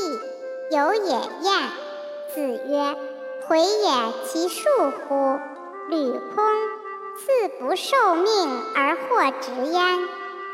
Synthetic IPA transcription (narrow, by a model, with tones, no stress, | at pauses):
i˥˩ | jo˧˥ʊjɛ̰˨˩jɛ˥˩n | t͡sɹ̩˨˩ɥɛ˥ | tʰwe˧˥ɪjɛ˨˩nt͡ɕʰi˧˥ʂu˥˩xu˧˥ | ly˨˩kʰʊ˥ŋ | t͡sɹ̩˥˩pu˧˥ʂo˥˧ʊmi˥˩ŋə˞˧˥xwɔ˥˩ʈ͡ʂɻ̩˧˥jɛ˥n